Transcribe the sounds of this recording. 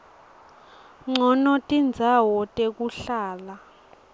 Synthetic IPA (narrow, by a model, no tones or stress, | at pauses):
ŋ͡ǀɔnɔtʼind͡zʱawɔtʼek̬uɬaːla